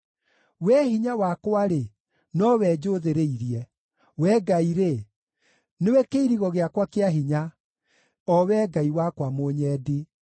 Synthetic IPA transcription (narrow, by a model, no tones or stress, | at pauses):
wɛɦiɲawakwaɾe | nɔwɛd͡ʑoðeɾeiɾjɛ | wɛɡaiɾe | newɛkeiɾiɣɔɣeakwakeaɦiɲa | ɔwɛɡaiwakwamoɲɛːdi